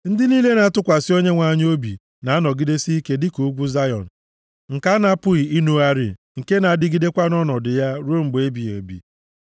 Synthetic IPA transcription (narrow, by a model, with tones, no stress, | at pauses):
n̩˦dɪ˦niː˦le˦na˨a˦tʊ˦kʷa˨sɪ˦o˦ɲe˦ŋʷa˨˦˨ɲ˦o˦bḭ˨ | na˨˦a˦nɔ˨ɡi˦de˦si˦ke˦dɪ˦ku˨˦ɡʷu˦za˦jɔ̰˨n̩˨ | ŋ̩˨ka˦na˦pʊ˦ɣi˨i˦nu˦a˦ɾḭ˨ | ŋ̩˨ke˦na˨a˨˦dɪ˦ɡi˦de˦kʷa˦nɔ˦nɔ˨dɪ˨ja˦ɾo˦m̩˨ɡ͡be˦bi˨o̰˨bḭ˨